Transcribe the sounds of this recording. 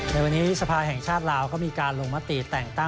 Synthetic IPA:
na˧jwa˧nːiː˦˥sa˧pʰaː˧ɦɛ˨˩ŋt͡ɕʰaː˥˩t̪̚laː˧wkɔː˥˩miː˧kaː˧nlo˧ŋma˦˥t̪i˨˩t̪ɛː˨˩ŋt̪a˥˩

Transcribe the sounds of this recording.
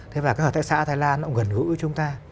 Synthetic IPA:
t̪ʰe˨˦vaː˨˩kaː˨˦˥k̪̚ːʰa˧˥sa̰ː˧˥t̪ʰːjlaː˧nːɔ˧˦wŋɣə˨˩nɣɨ̰˧˥˦t͡ɕʊ˨˦ŋ͡mt̪aː˧

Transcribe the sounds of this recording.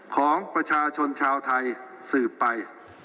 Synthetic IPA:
kʰɔː˩˦ŋpɾa˧t͡ɕʰaː˧t͡ɕʰo˧nt͡ɕʰaː˧wt̪ʰa˧j | sɯː˨˩pːa˧j

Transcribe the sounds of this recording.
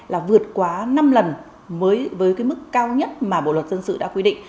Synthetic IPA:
laː˨˩vɨ˨˩ət̚kwaː˨˦na˧mlə˨˩n | vəː˨˦jvəː˨˦jkaː˨˦jm˦˥kːaː˧wɲə˦˥t̚maː˨˩ɓo̰˧˨lwə˨˩t̚zə˧nsɨ̰˧˨ɗa̰ː˧˥kwi˧ɗḭ̈˧˨ŋ̟

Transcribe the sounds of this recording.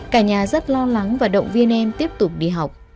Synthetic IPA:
kaː˧˩ɲaː˨˩zə˦˥t̚lɔ˧la˨˦ŋvaː˨˩ɗə̰˧˨wŋ͡mvi˧ənʔɛ˧nt̪i˦˥əp̚t̪ʊ˨˩k͡p̚ɗḭ˧˨ɦa˨˩wk͡p̚

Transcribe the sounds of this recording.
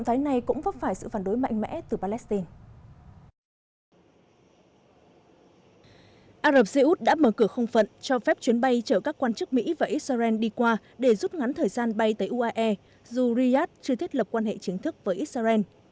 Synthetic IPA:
wt̪ʰaː˨˦jna˨˩jkʊ̰˧˥ŋ͡mvə˦˥p̚faː˧˩jsɨ̰˧˨fa˧˩nɗo˨˦jma̰˧˨ŋ̟mɛ̰˧˥t̪ɨ˨˩paː˧lɛ˦˥st̪i˧n | ʔaː˧zə˨˩p̚sə˧ʔu˦˥t̚ɗa̰ː˧˥məː˧˩kɨ˧˩əxə˧wŋ͡mfə̰˧˨nt͡ɕɔ˧fɛ˦˥p̚t͡ɕwi˨˦ənɓa˧jt͡ɕəː˧˩kaː˦˥kːwaː˧nt͡ɕɨ˦˥k̚mḭ˧˥vaː˨˩ʔi˦˥t̚sa˧zɛ˧nɗi˧kwaː˧ | ɗe˧˩zu˦˥t̚ŋa˨˦nt̪ʰəː˨˩jzaː˧nɓa˧jt̪əː˨˦jʔu˧ʔaː˧ʔɛ˧ | zu˨˩ɾi˧aː˦˥t̚t͡ɕɨ˧ət̪ʰət̚lə˨˩p̚kwaː˧nhḛ˧˨t͡ɕï˨˦ŋt̪ʰɨ˦˥k̚vəː˨˦ʔi˦˥t̚sa˧zɛ˧n

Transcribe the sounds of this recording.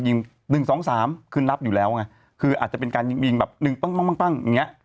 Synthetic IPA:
ji˧ŋ | nɯ˨˩ŋsɔː˩˦ŋsaː˩˦mkʰɯ˥˩nːla˦˥p̚juː˨˩lɛː˦˥wŋa˦˥ | kʰɯː˧ʔaː˨˩t̪̚t͡ɕa˨˩pe˧nkaː˧nji˧ŋji˧ŋbɛː˨˩p̚nɯ˨˩ŋpa˥˩ŋma˥˩ŋma˥˩ŋpa˥˩ŋja˨˩ŋːi˦˥ɐʔ

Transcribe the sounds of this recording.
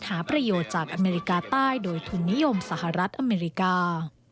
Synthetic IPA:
nhaː˩˦pɾa˧joː˨˩t̪̚t͡ɕaː˨˩k̚ʔa˧meː˧ɾi˧kaː˧t̪aː˥˩jdoː˧jt̪ʰu˧nːi˦˥jo˧msa˩ha˨˩ɾa˦˥t̪̚ʔa˧meː˧ɾi˦˥kaː˧

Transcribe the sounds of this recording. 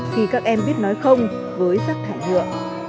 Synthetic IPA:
t̪ʰi˧˩kaː˦˥k̚ʔɛ˧mɓi˦˥ət̚nɔ˨˦jxə˧wŋ͡m | vəː˨˦jsaː˦˥k̚t̪ʰaː˧˩jlɨ̰˧˨əʔ

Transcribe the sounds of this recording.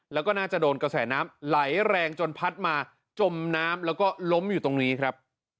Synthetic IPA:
lɛ˦˥wkɔː˥˩naː˥˩t͡ɕa˨˩doː˧nka˧sɛː˩˦naː˦˥mla˩˦jɾɛː˧ŋt͡ɕo˧npʰa˦˥t̪̚maː˧ | t͡ɕo˧mnaː˦˥mlɛː˦˥wkɔː˥˩lo˦˥mjuː˨˩t̪o˧ŋniː˦˥kʰɾa˦˥p̚

